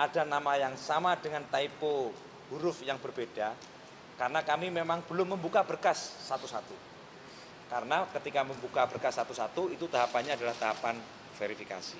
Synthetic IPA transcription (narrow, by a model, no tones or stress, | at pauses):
ʔadanamajaŋsamadəŋant̪aipo | b̥uɾʊfjaŋbərbed̥a | kaɾənakamimemaŋb̥əlʊmːəmbukabərkasːat̪usat̪u | kaɾənakət̪ikaməmbukabərkasːat̪usat̪uit̪ut̪aɦapanɲaːdalaht̪aɦapan | feɾifika̰si